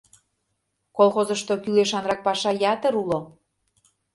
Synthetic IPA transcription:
kolˠxozə̆ʃt̪okyleʃɑnrɑk̚pɑʃɑjɑt̪ə̆ɾulo

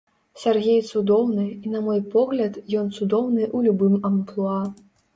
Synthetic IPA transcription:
sʲarɣʲejt̪sud̪ɔwnɨinɐmɔjpɔɣlʲɐt̪jɔnt̪sud̪ɔwnɨʔulʲubɨmɐmplˠua

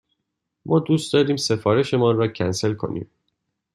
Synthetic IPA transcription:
mʔɒːd̪uːst̪d̪ɒːɾiːmse̞fɒːɾe̞ʃe̞mɒːnrɒːcʰænse̞lkʰo̞̰nʔḭːm

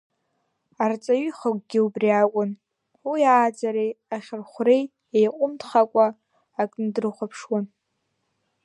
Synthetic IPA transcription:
art͡sʼaɥiχakʷʼɡʲɪubriakʷʼʊn | wijaːd͡zaɾejaχʲɪrχʷrej | ejqʷʼʊmtʰχakʷʼaː | kʼndɨrɨχʷapʰʂwan

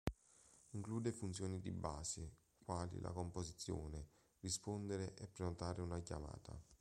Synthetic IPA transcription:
iŋkluːd̪efunt̪sjoːnid̪ḭbaːsi | kwaːlḭla̰komposit̪sːjo̰ːne | rispond̪eɾeʔɛpːɾenot̪aːɾeunakjama̰ːt̪a̰

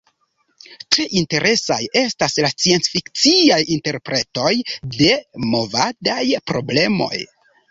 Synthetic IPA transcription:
tɾe̞ʔinte̞ɾʔe̞sa̰je̞staslat͡sient͡sfikt͡siajinte̞ɾpɾe̞to̞jde̞mo̞vadajpɾo̞ble̞mo̞̰j

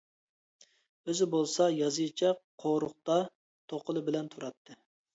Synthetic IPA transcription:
øzɪbolˠsɑjɑzɨt͡ʃʰɛqqʰoɾʊχt̪ɑ | t̪ʰoqʰəlˠɨbɪlɛnt̪ʰuɾɑt̪ʰːɨ

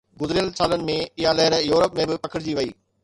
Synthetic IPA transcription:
ɡʊzɾijəlsaːlənɪ̆mẽɪɦalɛɦɪɾjuːɾəpmẽbɪpɐkʰəɽɪd͡ʑiːʋɐiː

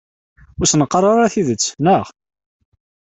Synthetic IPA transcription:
ʊɾsnəqːrˤːɑɾˤaθiðət͡sːnəʁ

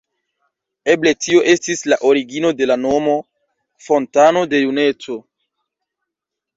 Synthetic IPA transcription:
e̞ble̞tio̞ʔe̞stislaʔo̞ɾiɡino̞de̞lano̞mo̞ | fo̞ntano̞de̞june̞t͡so̞

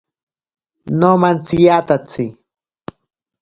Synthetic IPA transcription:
nomant͡sijat̪at͡si

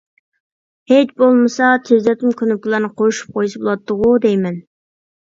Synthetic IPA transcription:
het͡ʃbolˠmɨsɑt̪ʰezlɛt̪ɪmkʲʰønyp̚kʲilˠɑɾnɨqʰojuʃu̥p̚qʰojusɨbolˠɑt̪ːʊʁud̪ejmɛn

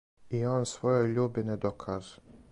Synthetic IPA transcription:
ioːnsʋojoʎuːbined̪okʰaʒ

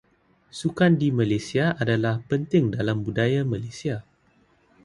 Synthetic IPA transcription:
sukandimãlasiaadalahpənt̪ɪŋdalambudajamãlasia

